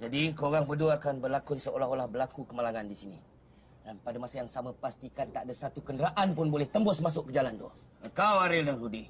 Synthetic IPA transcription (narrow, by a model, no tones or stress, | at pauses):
d͡ʒadikəoɾaŋpəduaakanbərlakʊnsəolaholahbəlakukəmalaŋandisinḭ | danpadamasajaŋsamapast̪ikant̪aʔadasat̪ukəndəɾaʔanpʊnbolɛht̪əmbʊsmasʊʔkəd͡ʒalant̪ʊh | əkawaɾɪldaŋɾudih